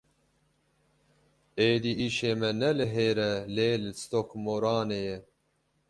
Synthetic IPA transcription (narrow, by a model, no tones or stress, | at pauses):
eːd̪iːʔiːʃeːmɛnɛlɨɦeːɾɛleːlɪst̪okmoɾɑːneːjɛ